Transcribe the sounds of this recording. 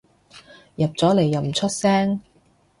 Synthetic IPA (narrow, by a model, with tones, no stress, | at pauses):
jɐ˨p̚t͡sɔː˨˥le˨˩jːɐ˨wm̩˨˩t͡ʃʰɵ˥t̚sɛː˥ŋ